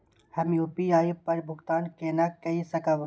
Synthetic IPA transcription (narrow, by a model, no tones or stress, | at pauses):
hɐmjuːpiaːipɐɾbʱʊkt̪aːnkeːnakɐisɐkaʋ